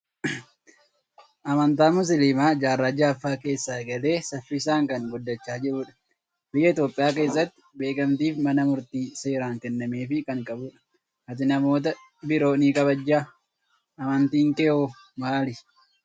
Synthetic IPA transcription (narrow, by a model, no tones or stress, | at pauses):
ʔɐmɐnt̪aːmʊs̬ɪlɪmaːd͡ʒaːrːad͡ʒaːɐfːaːke̞ːsːaːɡɐle̞ːsɐfːɪːsaːŋkɐŋɡʊd̪ːɐt͡ʃːaːd͡ʒɪɾuːᶑɐ̥ | bɪɡɐɪt̪jo̞ːpʼːɪjaːke̞ːsːɐt̪ːɪ̥be̞ːkɐmt̪iːfmɐnɐmʊɾt̪iːse̞ːɾaːŋkɛnːɐme̞ːfɪkɐŋkʼɐbʊᶑɐ̥ | hɐt̪̬ɪnɐmo̞ːt̪̬ɐ | bɪɾo̞ːniːkʼɐβɐd͡ʒːaː | ʔɐmɐnt̪iːŋkɛoː | maːlɪ